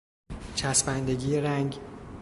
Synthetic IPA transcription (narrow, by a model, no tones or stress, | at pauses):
t͡ʃʰæsbænd̪eɟiːeɾæŋɟ